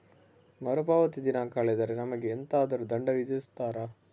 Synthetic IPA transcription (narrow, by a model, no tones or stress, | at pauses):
mɐɾubaːʋɐt̪id̪inaːkaːɭɛd̪ɐɾenɐmɐɡeːnt̪aːd̪ɐɾud̪ɐɳɖɐʋid̪st̪aːɾɐ